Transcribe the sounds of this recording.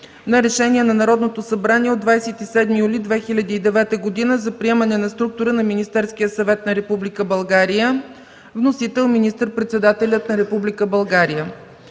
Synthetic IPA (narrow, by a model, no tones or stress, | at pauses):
nɐɾɛʃɛnʲiɛnɐnɐɾɔd̪not̪osɐbɾaniɛod̪vajsɛt̪isɛd̪mijulʲid̪vɛxilʲɐd̪iːd̪ɛvɛt̪əɡod̪inəzɐpɾiɛmənɛnɐst̪ɾuk̚t̪ʊɾənɐminist̪ɛɾsk̟ijəsɐvɛt̪nɐɾɛpublʲikəbɐlˠɡaɾijə | vnosit̪ɛlˠminist̪əɾpɾɛt̪sɛd̪at̪ɛlʲət̪nɐɾɛpublʲikəbɐlˠɡaɾijə